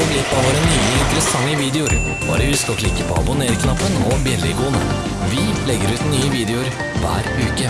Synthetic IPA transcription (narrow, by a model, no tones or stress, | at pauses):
ɔɡlɪt̪ːoːʋəɾɛnːyːlɪɪnt̪ɾəsɑŋːəʋiːd̪ɛʊɾ | b̥ɑ̰ːɾəʉskɔkʰlɪkːəpʰɔɑ̰bʊneːɾkʰnɑpːənɔbjɛlːɪɡuːənə̰ | ʋɪlɛɡːəɾʉːt̪nːyːəʋiːd̪ɛʊɾ | ʋæ̰ːɾʉːkə